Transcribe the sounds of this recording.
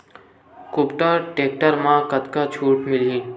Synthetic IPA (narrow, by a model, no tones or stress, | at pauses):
kʊpʈəɾʈeːk̚ʈəɾmãːkət̪kat͡ʃʰuːʈmɪlĩː